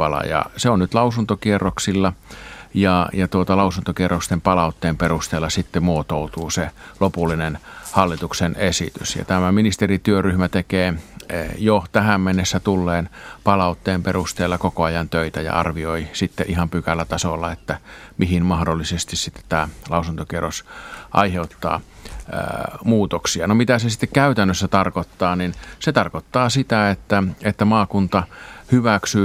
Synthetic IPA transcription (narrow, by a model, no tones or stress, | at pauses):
pɑlɑ̰jɑ̰seonnyt̪lɑusunt̪okierːoksilːɑjɑjɑt̪uot̪ɑlɑusunt̪okierːokst̪empɑlɑut̪ːeːmperust̪eːlːˑɑsit̪ːemuot̪out̪uːselopulːinenhɑlːit̪uksenesḭt̪ysjɑ̰t̪æmæminist̪erit̪yøryhmæt̪ekeː | jot̪æhæmmenːesːæt̪ulːeːnpɑlɑut̪ːeːmperust̪eːlːɑkokoɑjɑnt̪øit̪æjɑ̰ɑ̰rʋioisit̪ːeʔihɑmpykælːæt̪ɑsolːɑet̪ːæmʔihinmɑhdolːisest̪issit̪ːe̥t̪t̪æːlɑˑusunt̪okerosʔɑ̰iheut̪ːɑ̰ː | muːt̪oksiɑnomit̪æsesi̥t̪ːekkæyt̪ænːøsːæt̪ɑrkot̪ːɑːninset̪ɑrkot̪ːɑːsit̪æet̪ːæet̪ːæmɑːkunt̪ɑhyʋæksyː